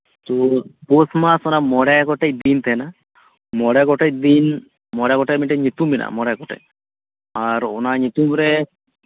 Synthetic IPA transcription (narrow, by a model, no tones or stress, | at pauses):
t̪oposmasɔnamɔɽaɡɔʈejd̪int̪ʰɛna | mɔɽaɡɔʈed̪in | mɔɽaɡɔʈamiʈɛɲit̪umbina̰mɔɽaɡɔʈḛj | aɾɔnaɲit̪umɾɛ